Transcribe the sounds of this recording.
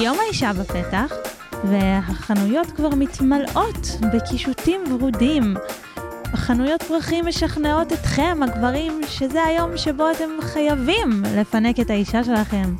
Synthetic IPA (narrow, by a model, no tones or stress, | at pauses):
jo̞maiʃabape̞taχ | veɦaχanujo̞tkvaʁmitmalʔo̞tbekiʃutimvʁudim | aχanujo̞t̚bʁaχimːeʃaχne̞o̞tetχe̞mhaɡvaʁimʃe̞zeajo̞mʃe̞bo̞ate̞mχajavimle̞fane̞ketaiʃaʃe̞laχe̞m